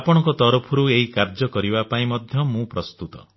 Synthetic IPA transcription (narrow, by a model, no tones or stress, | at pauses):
apɔɽ̃ɔ̃ŋkɔt̪ɔɾupʰɔɾueɦikaɾd͡ʒɔkɔɾibapaĩmɔd̪ʱjɔmũpɾɔst̪ut̪ɔ